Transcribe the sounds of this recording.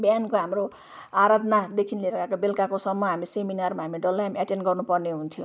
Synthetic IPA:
bjankoɦamro | aɾad̪nad̪ekʰinleɾʌkakabelkakosʌmːʌɦamiseminarmaɦamɖʌlːaɦamaʈenɡʌrnupʌrneɦunt̪ʰjo

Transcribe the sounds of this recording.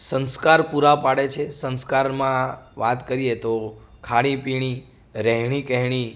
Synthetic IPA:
sə̃nskaɾpuɾapaɽet͡ʃʰesə̃nskaɾmãʋat̪kəɾijet̪okʰaɽipiɽ̃i | ɾɛɦɳ̃ikəɦɽ̃i

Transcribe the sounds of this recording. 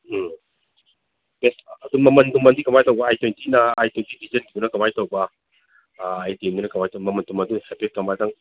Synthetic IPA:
besɐd̪uŋmɐmɐndumɐndikɐmajtɐwbɐajtwentinɐajtwentibʱizɐnɡibunɐkɐmajtɐwbɐ | ajtemdunɐkɐmajtɐmɐmɐntumɐduŋhepet̚kɐmajdɐŋ

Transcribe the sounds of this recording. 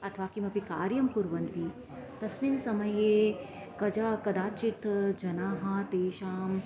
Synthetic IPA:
ɐt̪ʰʋaːkimɐpikaːɾjɐmpuɾʋɐnt̪i | t̪ɐsminsɐmɐjeː | kɐd͡ʒɐkɐd̪aːt͡ʃit̪d͡ʒɐnaːɦɐ̆t̪eːʃaːm

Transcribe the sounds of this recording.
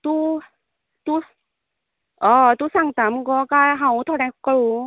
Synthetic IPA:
t̪u | t̪u | ʔɔːt̪usaŋt̪amkɔkaɦawt̪ʰɔnakkalu

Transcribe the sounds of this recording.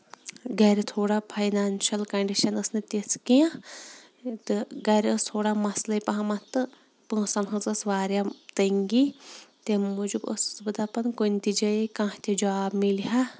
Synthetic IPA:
ɡɐɾit̪ʰoːɽapʰɐjnaːnʃɐlkɐɳɖiʃɐnɐsnɨt̪eskijã | t̪ɨɡɐɾʲəst̪ʰoːɽamɐslɐipɐɦɐmɐt̪ɨ | pɨ̃sɐnɦɨzɐsʋaːɾʲjat̪ɐŋɡit̪emud͡ʒubə̰sbɨd̪apɐnkonʲt̪id͡ʒɐekãːt̪ʲid͡ʒaːbmilɦa

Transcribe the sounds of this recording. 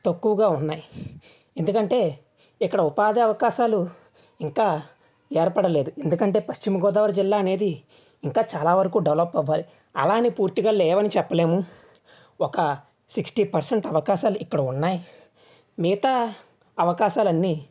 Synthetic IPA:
t̪ɐkːuʋɐɡaːunːaːji | e̞nd̪ukɐɳʈe̞ː | ikːɐɽɐupaːd̪iɐʋɐkaːʃaːlu | iŋkaː | eːɾpɐɽɐle̞ːd̪ue̞nd̪ukɐɳʈe̞ːpɐʃt͡ʃimɐɡɔːd̪aːʋɐɾɐd͡ʒilːaːɐneːd̪i | iŋkaːt͡ʃaːlaːʋɐɾɐkuːɖɐʋlɐpːɐʋːaːli | ɐ̰laːnipuːɾt̪iɡaːlɛːʋɐnit͡ʃɛpːɐle̞ːmu | ɔkɐ | siksʈiːpɐɾseɳʈɐʋɐkaːʃaːluʔikːɐɽɐunːaːji | miːt̪a | ɐʋɐkaːʃaːlɐnːiː

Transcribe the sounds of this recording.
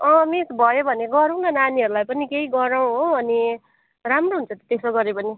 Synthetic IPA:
ʌ̃misbʱʌjobʱʌneɡʌɾaw̃nʌnaniɦʌɾulajpʌnikeɦiɡʌɾaw̃ɦoʌni | ramroɦunt͡sʰʌt̪ʌt̪esoɡʌɾepʌni

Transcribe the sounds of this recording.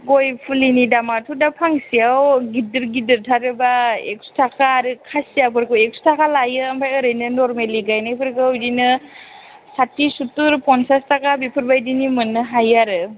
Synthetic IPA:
ɡojpʰulinidamatʰudapʰaŋsijawɡidɯɾɡidɯɾtʰaɾɯbaḛk̚su̥tʰakʰaːɾɯkʰasijapʰɯɾkɯwek̚su̥tʰakʰalajɯampʰajɯɾɯjnɯnɔɾmeliɡajnajpʰɯɾkɯwdinɯ | satːisutuɾpʰɔnsastʰakabipʰɯɾbajdinimɯnɯɦajaɾɯ

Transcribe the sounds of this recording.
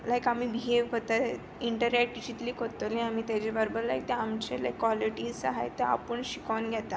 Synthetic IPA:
lajkamibiɦeʋkot̪a | iɳʈəɾek̚ʈid͡ʑit̪liːkot̪olĩam̤iːt̪jat͡ɕebəɾbəɾlajk̚t̪eamt͡ɕelajkːʋɔliʈiːzsaɦḛjt̪ea̰pəɳɕi̥kanɡʱjɛt̪a

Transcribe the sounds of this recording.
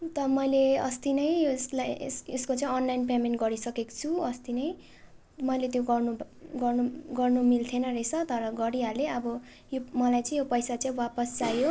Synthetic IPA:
t̪ʌmʌjleʌ̰st̪inʌjoslajseskot͡saĩʌnlajnpemenʈɡʌɾisʌkekt͡sʰuʌst̪inʌj | mʌjlet̪joɡʌrnuɡʌrnuɡʌrnumilt̪ʰenʌret͡sʰʌt̪ʌɾʌɡʌɾiɦaleʌbʌ | jomʌlajt͡sʌĩjopʌjsat͡saĩwapʌst͡sajo

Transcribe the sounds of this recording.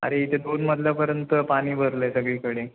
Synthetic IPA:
a̰ɾeit̪ʰed̪onməd̪ʱljapəɾjənt̪əpaniːbʱəɾləsəɡɭiːkəɽe

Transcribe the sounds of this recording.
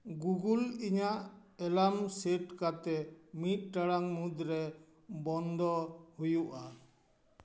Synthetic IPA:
ɡuɡuliɲaʔɛlamsɛʈkat̪ɛmit̪̚ˀʈaɽaŋmud̪ɾɛ | bɔnd̪ɔhujuʔa

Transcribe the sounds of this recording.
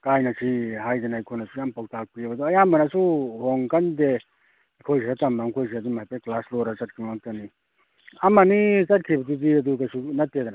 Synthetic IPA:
kajnasiɦajd̪anaːjkʰojnasujampawtak̚pibad̪ɔːjambanasuhɔŋkande | jkʰojsʰiɾatambaŋkʰojs̬iad̪umajpeklaslɔɾasɐt̚kʰimmak̚tani | amanit͡ʃɐt̚kʰibɐdiziɐd̪uɡasunɐtːed̪ana

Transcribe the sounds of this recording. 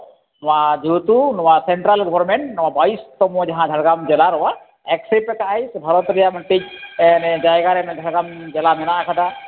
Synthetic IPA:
nɔwad͡ʒut̪unɔwasɛɳʈɾalɡɔbɔɾmeɳʈnɔwabajst̪ɔmud͡ʒaɦãd͡ʒʱaɽɡamd͡ʒɛlaɾɔwa | ɛksipɛkaʔajsbʱaɾɔt̪ɾijaməɳʈic̚nɛd͡ʒajɡaɾɛnɛd̪ʱaɽɡamd͡ʒɛlanɛnaʔkʰad̪a

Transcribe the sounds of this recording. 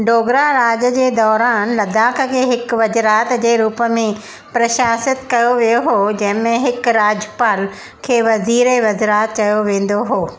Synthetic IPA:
ɖoːɡɾaɾaːd͡ʑəd͡ʑeːd̪ɔːɾaːnlɐd̪aːkə̆kʰeːɦɪkʋɐd͡ʑɾaːt̪d͡ʑeːɾuːpəmẽ | pɾɐʃaːsɪt̪kɐjoʋijoɦoːd͡ʑɐ̃ɦɪ̃mẽɦɪkɾaːd͡ʑəpaːl | kʰeːʋɐziːɾeʋɐzɾaːt̪t͡ɕɐjoʋẽːn̆d̪oɦoː

